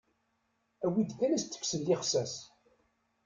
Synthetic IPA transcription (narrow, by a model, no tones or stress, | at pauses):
æwid̪kːænæst̪ːə̥fsəlːɪχsæs